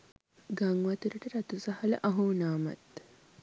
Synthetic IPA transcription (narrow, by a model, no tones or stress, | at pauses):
ɡaŋɡʋɐt̪uɾɐʈɐɾɐt̪usɐhɐlɐ̰ʔɐɦuːnaːmɐ̰t̪